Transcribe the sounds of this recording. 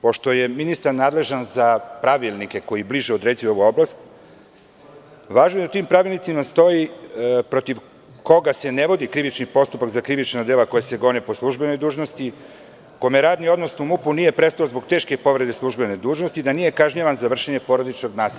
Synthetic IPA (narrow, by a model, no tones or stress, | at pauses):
po̞ʃt̪o̞je̞minist̪aɾnaːd̪le̞ʒanzapɾaʋilˠnike̞ko̞jibliʒɛod̪ɾeːzijo̞ʋuo̞blˠast̪ | ʋaːʒnojd̪at̪iːmpɾaʋilˠnit̪imast̪o̞jipɾot̪iʋ | ko̞ɡase̞ne̞ʋo̞d̪ikɾiʋit͡ʃnipo̞st̪upakzakɾiʋit͡ʃnad̪elako̞jese̞ɡo̞nepo̞slˠuʒbe̞no̞jd̪uːʒno̞st̪i | komeɾaːd̪nio̞d̪nosnumupunijepɾest̪aozbo̞ɡt̪e̞ːʃke̞po̞ʋɾe̞d̪e̞slˠuʒbe̞ned̪uːʒnost̪id̪anije̞kaʒɲaʋanzaʋr̩ʃeɲe̞po̞ɾod̪it͡ʃno̞ɡnaːsea